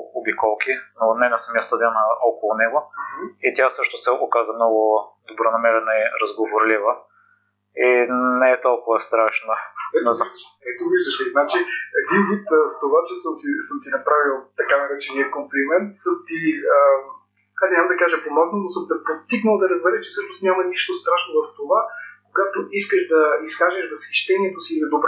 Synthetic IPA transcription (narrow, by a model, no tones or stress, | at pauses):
obikɔlˠkinoːnɛnɐsɐmiəst̪ɐd̪anəɔkolˠʊnɛɡʊit̪ʲjasɤʃt̪ʊsɛʔokazəmnɔɡʊd̪obɾonɐmɛɾɛnəiɾɐzɡovoɾlivə | inɛɛt̪ɔlˠkʊvəst̪ɾaʃnəɛʃ | ɛt̪ɔviʒd̪əʃiznat͡ʃiɛd̪invut̪əst̪ovat͡ʃɛsəmsisəmt̪inɐpɾavilˠt̪ɐkad̪ɐɾɛt͡ʃɛniɛkomplimɛnt̪səmt̪iə | ad̪nʲamd̪ɐkaʒɐponɔk̪nonosɤmd̪ɐpot̪iknəlˠd̪ɐɾɐzbɛɾɛt͡ʃɛfsɤʃnost̪nʲamɐniʃt̪ost̪ɾaʃnovɐft̪ovakoɡat̪oʔiskəʃd̪ɐisxaʒɛʃvɐsɛ̥t͡ʃt̪ɛnʲiɛt̪osinɛd̪obɾ